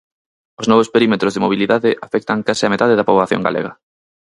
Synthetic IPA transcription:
ʊznɔβospeɾimet̪ɾozðemoβ̞iliðaðɪʔafɛk̚t̪aŋkasɪamet̪aðɪðɐpoβlaθjo̰ŋɡa̰lḛɣɐ

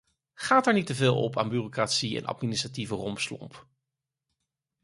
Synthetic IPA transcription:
χaːtɛːɹnitəvɪːlˠɔ̰pa̰ːnbyːrokratsiɛ̰nʔɑ̰tminɪstrativərɔmpslɔ̰mp

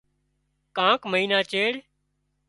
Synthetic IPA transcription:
kãːkməɦiːnaːt͡ʃeːɽ

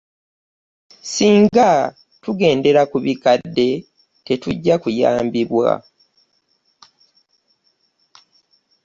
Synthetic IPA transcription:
siːŋɡa | tuɡe̞ːnde̞ɾakuβikadːe̞ | te̞tuɟːakuja̰ːmbiβwa̰

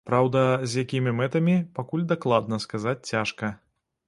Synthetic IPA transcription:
pɾawd̪ɐzʲjakʲimʲimɛt̪ɐmʲipakulʲd̪aklˠad̪nɐskazat͡sʲt͡sʲaʂkɐ

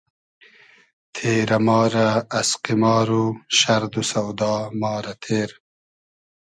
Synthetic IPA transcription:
t̪ʰeːɾɐmɑːɾɐːsqimɑːɾuɕɐɾd̪usɐwd̪ɑːmɑːɾɐt̪ʰeːɾ

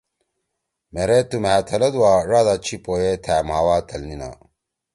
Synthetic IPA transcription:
meɾet̪umaːt̪ʰɐlɐd̪uwaːʐaːd̪at͡ɕʰipoːjet̪ʰæːmaːwaːt̪ʰɐlnina̰ː

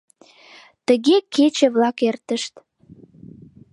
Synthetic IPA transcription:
t̪əɣekʰet͡ɕə̆βlɑkert̪əʃt̪

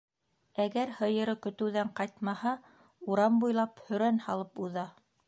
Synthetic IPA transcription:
æɡæɾhɤ̆jɤ̆ɾɤkɵ̆t̪ɘ̆wðæɴqɑjt̪mɑhɑ | uɾɑmbujlˠɑphɵ̆ɾænhɑlˠɤpuðɑ

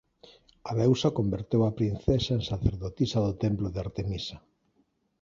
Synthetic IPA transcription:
aβɛwsakombeɾt̪ewapɾinθesaẽŋsaθeɾðot̪isɐðot̪emploðeaɾt̪emisɐ

